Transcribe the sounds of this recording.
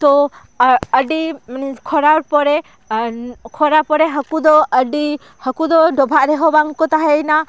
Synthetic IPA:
t̪ɔ | əɖikʰɔɾaɾpɔɾɛ | kʰɔɾapɔɾɛɦəkud̪ɔəɖi | həkud̪ɔɖɔbʱaʔɾɛɦɔbaŋkɔt̪aɦɛjna

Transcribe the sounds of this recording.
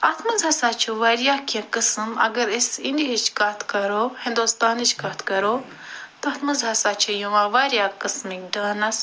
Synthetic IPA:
ɐt̪ʰmɐzɐsaːt͡ʃʰuʋɐːɾijaːkiɐ̃kɨsɨmɐ̰ɡɐɾesind̪iɦit͡ʃʰkɐt̪ʰkɐɾoːhĩnd̪uːst̪aːnit͡ʃʰkɐt̪ʰkɐɾoː | t̪ɐt̪ʰmɐzɦɐsaːt͡ʃʰɐjuʋãːʋaːɾʲjaːkɨsmikɖaːnɐs

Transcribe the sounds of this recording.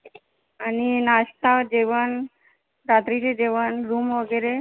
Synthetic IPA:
aninaɕt̪ad͡ʑeʋən | ɾat̪ɾit͡ɕed͡ʑeʋənɾumʋəɡəjɾe

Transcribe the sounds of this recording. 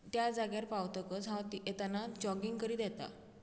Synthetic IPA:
t̪jad͡zaɡjaɾpawt̪əkəd͡zɦãt̪iet̪anad͡ʑɔɡiŋɡkəɾiːd̪ɛt̪a̰

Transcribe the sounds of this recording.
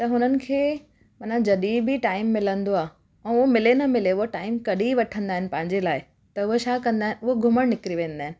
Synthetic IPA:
t̪ɐɦʊnənɪ̆kʰeː | mɐnãd͡ʑɐɗibʱɪʈaːɪmːɪlə̃nd̪oaː | ɛ̃ːʊɦomɪlenɐmɪleʊɦoʈaːɪmkɐɗiʋɐʈʰə̃nd̪aːɦɪnɪ̆pɐ̃ɦɪ̃ɲd͡ʑelaːɪ | t̪ɐʊɦoʃaːkɐ̃nd̪aːɦɪnʊɦoɡʱʊməɽ̃nɪkɾiʋẽːnd̪aːɦɪnɪ̆

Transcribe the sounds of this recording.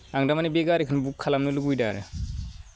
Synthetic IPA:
aŋdamanibeɡaɾekʰɯnbukʰːalamnɯluɡujda̰ɾɯ̰

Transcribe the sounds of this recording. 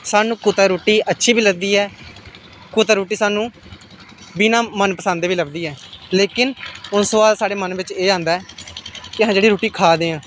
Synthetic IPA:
saːnũːkʊt̪aːɾoːʈːiːətːʃʰiːbiːləɡd̪iːɛː | kʊt̪aːɾoːʈːiːsaːnũː | binãːmənpəsə̃ːnd̪eːʋiːləɡd̪iːɛːleːkɪnʊnsəʋaːlsaːɽeːmənʋɪt͡ʃeːãːnd̪aːɛːkɪəɦãːd͡ʒeːɽiːɾoːʈiːkʰaːd̪eːãː

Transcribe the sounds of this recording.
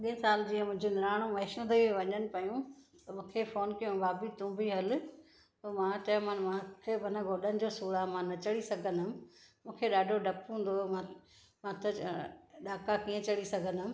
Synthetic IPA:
ɗĩːsaːld͡ʑiːə̃mʊ̃ɦɲd͡ʑonɪɾaːɽ̃õmɐːɪʃnd̪ɐiʋɐɲənɪ̆pɐjũ | t̪ɐmũːkʰefoːnkɐjũbaːbit̪ũːbʱiɦɐl | omãʈeːmənmãkʰebʱɐnə̃ɡʱoːɗənɪ̆d͡ʑoːsuːɽamãːnɐt͡ɕɐɽisɐɡʱənʊmmũːkʰeɗaːɖʱoɖʱɐpɦũːn̆d̪oã | mãːt̪ɐɗaːkakiːə̃t͡ɕɐɽisɐɡʱənʊm

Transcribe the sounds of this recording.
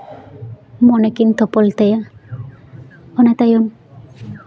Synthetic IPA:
mɔnekint̪ɔpɔlt̪eja | ɔnat̪ajom

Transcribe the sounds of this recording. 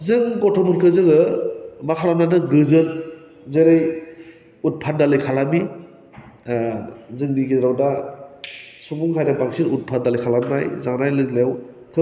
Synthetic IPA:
zɯŋɡɔtʰɔpuɾkʰɯzɯŋɯmakʰalamnanɯɡɯzɯt | zeɾɯj | ut̚pʰandalɯjkʰalami | zɯŋniɡidɾawda | subuŋɦajɾabaŋsiɾut̚pʰadalɯjkʰalamna̰jzaŋnajlɯɡlew | kʰɯ

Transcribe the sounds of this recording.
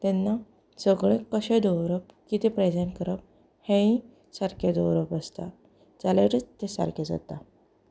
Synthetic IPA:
t̪ɛnːa | t͡səɡɭẽkəɕẽd̪ɔʋɾəp̚kit̪epɾɛd͡zenkəɾəp̚ | hẽĩ | saɾkʰed̪owɾəpəst̪a̰ | d͡zaleɾit̪esa̰ɾkʰed͡za̰t̪a

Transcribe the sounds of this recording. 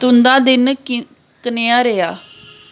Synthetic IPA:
t̪ʊnd̪ãːd̪ɪn | kəneːaːɾeːaː

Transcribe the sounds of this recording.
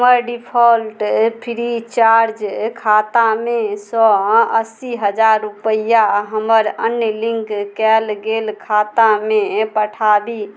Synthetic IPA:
məɾɖipʰɔlʈpʰiɾit͡ʃaɾd͡ʒkʰat̪amesɔəsiɦəd͡ʒaɾːupəjaɦəməɾənjəlĩŋkkɛlɡelkʰat̪amẽpəʈʰab̪i

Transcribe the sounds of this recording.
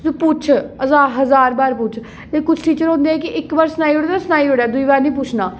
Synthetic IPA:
opʊt͡ʃʰəzaːɦəzaːɾbaːɾp̬ʊt͡ʃʰ | leːkʊt͡ʃʰʈiːt͡ʃəɾɦõːnd̪eːɛːkɪʔɪkbaɾsnaːiːɦoːɽasnaːiɦoɽɛːd̪uiːbaːɾnĩːp̬ʊt͡ʃʰnaː

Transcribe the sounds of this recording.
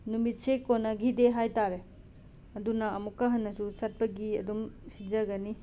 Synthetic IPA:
numit̚sekonɐɡideɦajtaɾe | ɐdunɐɐmukːɐɦɐnːɐsusɐt̚pɐɡiɐ̰dumsid͡ʒɐɡɐni

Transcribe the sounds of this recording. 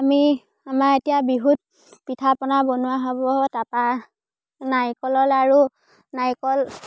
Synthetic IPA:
ami | amaɹetijabiɦut̚ | pitʰapɔnabɔnʊwaɦɔbɔtapa | najkɔlɔlaɹu | najkɔl

